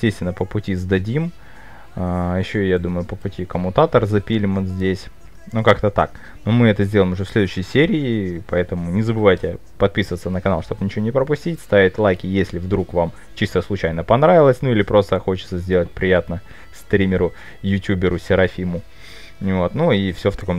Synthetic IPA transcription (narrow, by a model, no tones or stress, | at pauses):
jɪstʲest̪vʲɪnəpəpʊtʲizd̪ɐdʲim | ajɪɕːojad̪uməjʊpəpʊtʲikəmʊnt̪at̪ərzɐpʲilʲɪmənzʲdʲesʲ | nukakt̪ət̪a̰k | nomɨɛt̪əzʲdʲeləɪmʊʐɛfsʲlʲe̞d̪ʊʉɕːɪjsʲeɾʲɪːpɐɛt̪əmʊnʲɪzəbɨvajtʲɪ | pɐt̪̚pʲisəvət̪sənəkɐnalˠʂt̪o̞b̥nʲɪt͡ɕɪvonʲɪpɾəpʊsʲtʲitʲst̪avʲɪtʲlˠajkʲɪjesʲlʲɪvd̪ɾukvam | t͡ɕist̪əslˠʊt͡ɕæjnəpɐnɾavʲɪlˠəsʲnuilʲɪpɾo̞st̪əxo̞t͡ɕɪt̪səzʲdʲe̞lˠət̚ʲpɾʲɪjat̪nə | st̪ɾʲimʲɪɾʊ | jʊtʲubʲɪɾʊsʲɪɾɐfʲimʊ | vo̞t̪nuifsʲoft̪ɐko̞m